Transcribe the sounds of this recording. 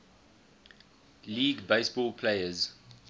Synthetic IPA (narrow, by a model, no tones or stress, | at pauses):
liːɡbeɪsbɔlpʰleɪəz